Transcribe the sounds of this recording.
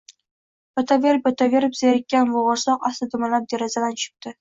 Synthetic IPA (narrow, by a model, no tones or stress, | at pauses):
b̥at̪ʰaveɾɪpat̪ʰave̞ɾɪpz̥eɾɪkʲːanvʊʁɑɾsɒqast̪ɪd̪ɪmalap̚d̪eɾazalant͡ʃʰʊ̥p̚t̪ɪ